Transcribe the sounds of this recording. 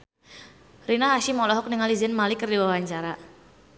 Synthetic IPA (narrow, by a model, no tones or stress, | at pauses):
rinaɦaʃimɔlɔɦɔk̚niŋalizɪnmalikərdiwawaɲt͡ʃaɾa